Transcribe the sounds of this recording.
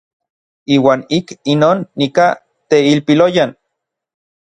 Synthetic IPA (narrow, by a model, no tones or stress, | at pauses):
iːwaːnikinoːnːika | t̪eilpilojan